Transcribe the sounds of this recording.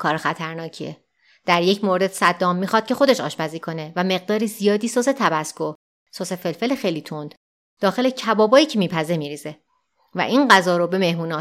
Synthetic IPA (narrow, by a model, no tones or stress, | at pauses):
kʰɒːɾexæt̪ʰæɾnɒːcʰḭe | d̪̥æɾje̞cʰmoɾe̞d̪̥sæd̪ːɒːmːiːxɒːd̪̥̚cʰe̞xo̞d̪e̞ʃɒ̰ːʃpæziːkʰo̞ne̞væme̞ɣ̚d̪ɒːɾiːzijɒːd̪iːsose̞t̪ʰæbæsko | sosefe̞lfe̞lexejliːt̪ʰond̪̥ | d̪̥ɒːxe̞lecʰæbɒːbɒːiːcʰemiːpʰæze̞miːɾiːze̞ | væ̰ʔiːnɢæzɒːɾobe̞me̞hmuːnɒː